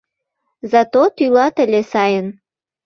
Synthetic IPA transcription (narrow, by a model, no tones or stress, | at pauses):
zɑt̪ot̪ylɑt̪ə̆lʲesɑjən